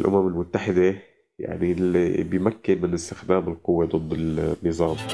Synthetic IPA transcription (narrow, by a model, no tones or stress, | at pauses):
lʔʊ̰mamɪlmʊt̪ːaħɪd̪a | ja̰ʕnibɪjmakːɪnmɪnɪst̪ɪxd̪aːmɪlqʊwːed̪ˤɨd̪ˤːɪlnːɨzˤɑːm